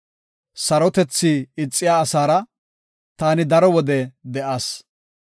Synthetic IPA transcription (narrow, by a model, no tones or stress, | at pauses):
sɐɾɔt̪ɛt͡sːiːɪt͡sʼːɪjaːsaːɾɐ | t̪aːnɪd̪ɐɾɔwɔd̪ɛd̪ɛʔaːs